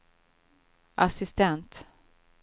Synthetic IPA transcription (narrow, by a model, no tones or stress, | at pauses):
asɪst̪ɛnt̪